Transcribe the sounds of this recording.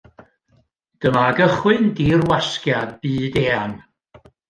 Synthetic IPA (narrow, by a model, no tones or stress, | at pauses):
d̥əmaɡəχwɨndiːrwaskjadbiːdeːan